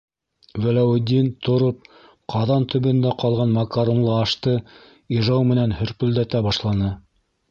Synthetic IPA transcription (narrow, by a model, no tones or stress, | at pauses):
vælæwɘ̆d̪ʲint̪ŏɾop̚ | qʰɑðɑnt̪ʰɵ̆βɵ̆nd̪æqɑlˠʁɑnmɑkaɾonlˠɤɑʃt̪ɤ | iʒɑwmɘ̆nænhɵ̆ɾpɵ̆ld̪æt̪æbɑʃlˠɑnɤ